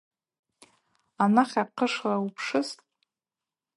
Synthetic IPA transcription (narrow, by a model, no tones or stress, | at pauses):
anaχʲaqʰəʂlaupʰʂɨstʼ